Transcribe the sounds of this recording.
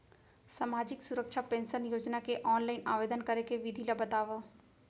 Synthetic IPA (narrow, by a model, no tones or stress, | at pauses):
saːmaːd͡ʒɪksuɾəkʃapẽːnsənjoːd͡ʒnakeʔɔːnlaːɪna̰ːʋeːd̪ənkɐɾekeʋɪd̪ʱilabɐt̪aːʋa